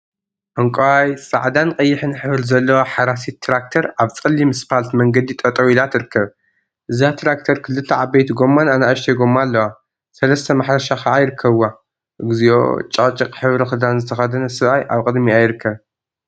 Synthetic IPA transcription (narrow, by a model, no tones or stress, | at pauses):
ʔɐŋkʷʼowajsʼaʕd̪anqʼɐjːɪħɨnħɨβɨɾzɐlːɐwaħaɾasit̪ʰːɾak̚t̪ʰɐɾaβt͡sʼɨlːimɨspʰalt̪mɐŋɡɐd̪it̪ʼɐt̪ʼɐwilat̪ʰɨɾɨkːɐβ | ʔɨzat̪ʰɾak̚t̪ʰɐɾkʰɨlɨt̪ʰːɐʕabejt̪ɡo̞mːananaʔɨʃt̪ʰeɡo̞mːalːɐwa | sɐlɐst̪ʰɐmaħɾɐʃaxaʕajɪɾɨkʰːɐβwa | ʔɨɡɨzio̰t͡ʃʼɐt͡ʃʼɨqʼħɨβɾɐxɨd̪anzɨt̪ʰɐxɐd̪ɐnɐsɨβʔajʔaβkʼɨd̪miajɪɾɨkʰːɐβ